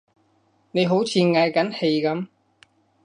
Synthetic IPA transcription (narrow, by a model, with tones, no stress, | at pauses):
ne˨˧jɦo˨˥wt͡sʰiː˨˧nŋɐ˨˧jkɐ˨˥nhe˧jkɐ˨˥m